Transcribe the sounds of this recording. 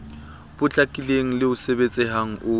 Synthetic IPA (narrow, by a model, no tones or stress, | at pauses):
b̥ʊt͡ɬʼakʼileŋ̩lɪʊsebet͡sʼɪɦaŋ̩ʔʊ